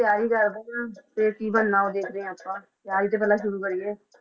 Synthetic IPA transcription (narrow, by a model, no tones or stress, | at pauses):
t̪ɪaːɾiːkəɾd̪eãːt̪eːkiːbənːãːoːd̪eːkʰɾeɛ̃ːəpːãːt̪eaːiːt̪eːp̬ɛːlãːʃʊɾuːkəɾiːeː